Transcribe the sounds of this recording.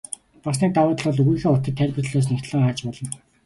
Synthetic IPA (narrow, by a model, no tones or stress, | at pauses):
pɔs̬niːt̪awʊːt̪̆ɮɔ̆ːɮɵɣujxeːʊt̪ə̆t̪ʰːærʲpɘ̆rɮoːs̬nikt̪ɮə̆ŋaːt͡ɕpɔɮɞ̆n